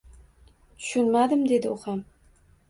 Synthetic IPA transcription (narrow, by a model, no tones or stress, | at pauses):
t̪ʰʊ̥ʃʊnmad̪ɪmd̪e̞d̪ɪʊχam